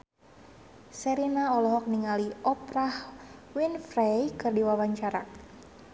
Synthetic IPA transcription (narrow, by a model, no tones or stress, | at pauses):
sɛɾinaɔlɔɦɔk̚niŋaliʔɔprahwinfrɛjkɨrdiwawaɲt͡ʃaɾa